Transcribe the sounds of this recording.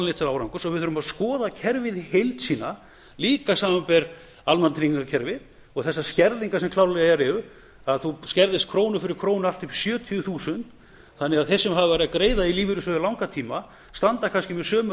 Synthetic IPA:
leht̪saɾaːwɾawŋkʏsɔɣvɪðθʏɾʏmaðskɔːðacʰɛɾvɪðhejlt̪siːna | liːkasaːmampɛɾ | almant̪ʰɾiŋŋkacʰɛɾvɪð | ɔɣθɛsːascɛɾðiŋkasɛmkʰlawlɛɣaɛɾɛʏ | aðθuscɛɾðɪst̪̚kʰɾoːwnʏfɪɾɪɾ̥kʰɾoːwnalt̪ʏpsjœːt̪ʰiʏθuːsʏnt̪ | θanːɛɣaðθɛsːɛmɦavɪvɛɾɪðakɾeːjðailiːvɪɾʏsœðʏlawŋkat̪ʰiːma | st̪ant̪akʰanscɪmɛðsœːmʏ

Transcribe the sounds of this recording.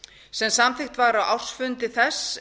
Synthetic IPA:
sɛmsamθɪxt̪vaɣɾawawr̥sfʏnt̪ɪθɛs

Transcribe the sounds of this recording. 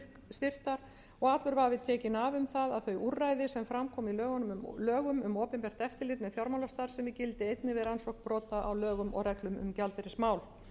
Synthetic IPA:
st̪ɪr̥t̪aɾ | ɔɣaːt̪lʏɾvavɪðt̪ʰɛːcɪnavʏmθaðaðθœɥʔurːajðɪsɛmfɾamkʰɔːmilœːɣanmlœːɣʏmʏmoːpɛmpɛr̥t̪ɛft̪ɪlɪt̪mɛðfjɔɾmawlast̪aɾ̥sɛmɪcɪlt̪ɪejt̪nɪvɪðɾansɔhkpɾɔːt̪aʔawlœːɣʏmɔ̰rɛklʏmʏ̰mcalt̪ɛɾɪsmaːwl

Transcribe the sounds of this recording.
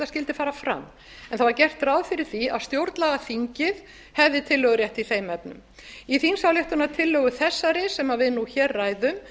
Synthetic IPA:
ascɪlt̪ɪfaːɾafɾa̰m | ɛnθavaɾcɛr̥t̪raːwðfɪɾɪɾ̥θia̰ðst̪jowɾt̪laɣaθiɲcɪð | hɛvðɪt̪ʰɪlːœɣʏɾjɛht̪iθejmɛp̚nʏ̰m | iθinsawljɛht̪ʏnat̪ʰɪlːœɣʏθɛsːaɾɪsɛmavɪðnuçɛːrːaːjðʏm

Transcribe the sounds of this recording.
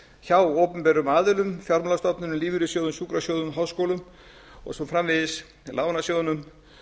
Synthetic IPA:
çaːwoːwpʏmpɛɾʏmaːðʏlʏmfjɔɾmlast̪ɔpnʏnʏmliːvʏɾʏsjowðʏnsuːkɾasjoːwðʏmɦaːwskowlʏm | ɔ̰ɣsɔmfɾamvɪðɪs | laːwnasjowðnʏm

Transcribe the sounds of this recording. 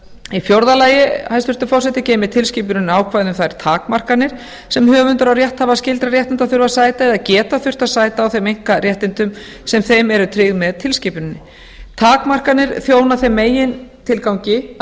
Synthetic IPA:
ifjowɾðalaːjɪhajst̪ʏɾt̪ʏfɔrsɛt̪ɪcɛːjmɪt̪ʰɪlsciːp̬ʏɾɪnaːwkʰvajðʏmθaɪɾ̥t̪ʰaːkmar̥kanɪɾ̥ | sɛmhœːvʏnt̪ʏɾawrjɛht̪havascɪlt̪ɾaɾrjɛht̪ɪnt̪aθʏɾvasaːjt̪aɛðaðcɛːt̪aθʏr̥t̪aðsaːjt̪aːwθejmejŋ̥kaɾjɛht̪ɪnt̪ʏm | sɛmθejmɛɾʏt̪ʰɾɪɣmɛðt̪ʰɪlsciːpʏɾɪnːɪ | t̪ʰaːkmar̥kanɪɾ̥θjoːwnaθejmːeːjɪnt̪ʰɪlkawɲcɪ

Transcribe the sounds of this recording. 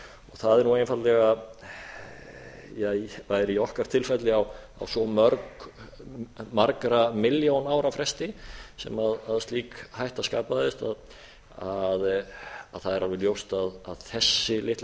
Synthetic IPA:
ɔɣθaðɛɾnuejnfat̪lɛɣa | jɛjvajɾiɔhkaɾ̥t̪ʰɪlfɛt̪lɪawa̰wsɔmœɾk | maɾkɾamɪljownaːwɾafɾɛst̪ɪsɛ̰maðaðst̪liːkhajht̪askaːpaðɪst̪að | aðaðθaðɛɾʔalvɛljowst̪aðaðθɛsːɪlɪht̪

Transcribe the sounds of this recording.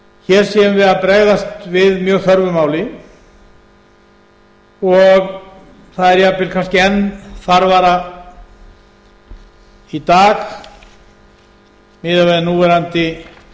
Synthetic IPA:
çɛːɾ̥sjɛʏmvɪðapɾɛɣðast̪vɪðmjœːɣθœɾvʏmaːwlɪ | ɔɣ | θaðɛɾjapːɪlkʰanscɪɛnːθaɾvaːɾa | it̪aːx | mɪːðavɛːðnuːvɛɾant̪ɪ

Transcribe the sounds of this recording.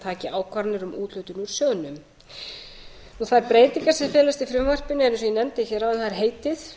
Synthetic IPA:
t̪ʰaːcɪaːwkʰvaɾnɪɾʏmʔuːt̪lœɥjt̪ʏnuɾ̥sœːɣnʏm | nuθaɾpɾeːjt̪iŋkḁsɛfjɛːlast̪ifɾʏmvar̥pɪnɪɛɾns̬ɔjɛnɛmt̪ɪçɛːɾawvɛnθaðɾ̥ɦeːjt̪ɪθ

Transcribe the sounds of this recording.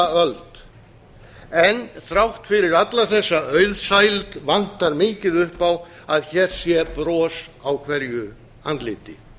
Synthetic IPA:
œlt̪ | ɛnθɾawht̪fɪɾɪɾat̪laθɛsːaœɥðsaːjlt̪van̥t̪aɾmɪːcɪðʏhpaw | aðçɛːɾ̥sjɛpɾɔːsawkʰvɛɾjʏ | ant̪lɪːt̪ɪ

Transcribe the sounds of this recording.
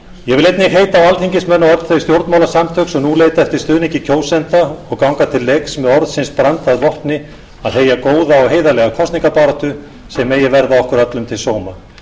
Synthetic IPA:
jɛɣvɪlejt̪nɪɦeːjt̪aːwalt̪ʰiɲcɪsmɛnːawɔɾt̪θejst̪jowɾt̪mawlasamt̪ʰœksɔɣnuleːjt̪aɛft̪ɪɾ̥st̪ʏːniɲcɪcʰoːwsɛnt̪aɔɣkawŋkat̪ʰɪlːeksmɛðɔɾðsɪnspɾant̪aðvɔhpnɪ | aðheːjakoːwðaɔɣɦeːjðalɛːɣakʰɔst̪niŋkapaːɾat̪ʏ | sɛmːɛjɛɣvɛɾðaɔhkʏɾat̪lʏmt̪ʰɪlsoːwma

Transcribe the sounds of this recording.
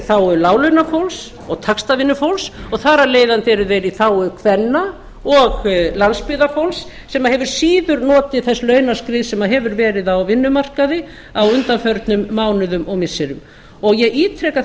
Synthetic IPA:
θawʏɾlaːwlʏnafowls | ɔɣt̪ʰakst̪avɪnːʏfowlsɔɣθaːɾaleːjðant̪ɪɛɾɪvejɾiθawʏkʰvɛnːa | ɔɣlanspɪðafowlsːɛmaɦɛvʏɾ̥siːðʏɾnɔːt̪ɪθɛsːlœːɥnaskɾɪːðsɛmaðɦɛvʏɾvɛːɾɪðawvɪnːʏmar̥kaðɪ | awʏnt̪anfœɾt̪nʏmːaːwnʏðʏmɔɣmɪsːɪɾʏm | ɔɣjɛɣiːt̪ʰɾɛka

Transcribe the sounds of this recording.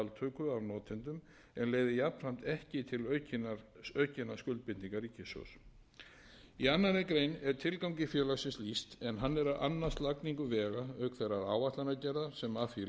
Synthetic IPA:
alt̪ʰœːkʏavnɔːt̪ʰɪnt̪ʏm | ɛnleːɣðɪjapnr̥am̥t̪ɛhcɪt̪ʰɪlœcnœɥcɪnaskʏlt̪̚pɪt̪niŋkaɾicʰɪsœ̰ws | ianːaɪkɾejnɛɾ̥t̪ʰɪlkaw̃cɪfjœːlaɣsɪnslist̪ɛnɦanːɛɾaðʔa̰nːḁst̪lakniŋkʏvɛːɣaœːkθerːaɾaːwaht̪lanacɛɾðaɾ̥sɛmafi

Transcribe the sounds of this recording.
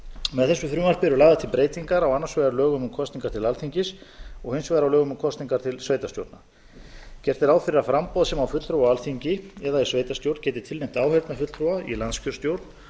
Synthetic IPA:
mɛðθɛsːʏθɾʏːmaɾ̥pɪɛɾʏlaːɣðat̪ʰɪlpɾeːjt̪iŋkaɾawanːasvɛðaɾlœːɣʏmʏkʰɔst̪iŋkaɾt̪ʰɪlalθiɲcɪsɔɣhɪnsvɛːðɾawlœːɣʏmkʰɔst̪niŋkaɾ̥t̪ʰɪlsvejt̪ast̪jo̰wɾt̪na | cɛr̥t̪ɪɾaːwfɪɾɪɾafɾampɔðasɛmawfʏt̪lt̪ʰɾowaalθiɲcɪɛðaisveːjt̪ast̪jowɾt̪n̥cɛːt̪ɪ̥t̪ʰɪlnejm̥t̪aːwhɛɾt̪nafʏt̪lθɾuwaḭlant̪scʏɾ̥st̪jowɾt̪n̥

